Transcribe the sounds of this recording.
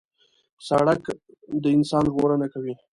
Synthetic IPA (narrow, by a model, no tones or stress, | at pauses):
saɽak | d̪əɪnsɑnɣoɾənakawi